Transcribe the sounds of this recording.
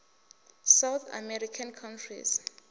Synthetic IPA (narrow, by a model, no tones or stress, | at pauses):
sawt̪ʰa̰mɛɾikʰankʰãntʰrḭs